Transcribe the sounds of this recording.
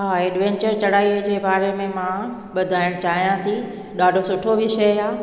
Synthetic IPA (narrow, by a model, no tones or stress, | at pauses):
ɦaːeːɖʋɛ̃ːɲt͡ɕəɾt͡ɕɐɽaːid͡ʑeːbaːɾemẽmã | ɓɐd̪ʱaːɪɽ̃t͡ɕaːɦijãt̪ʰi | ɗaːɖʱosʊʈʰoʋɪʃəjɦaː